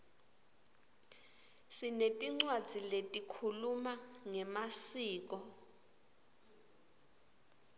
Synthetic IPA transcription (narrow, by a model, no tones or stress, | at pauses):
sinetʼiŋ͡ǀwad̥d͡z̥ʱiletʼikʰulumaŋɛmasiːk̬ɔ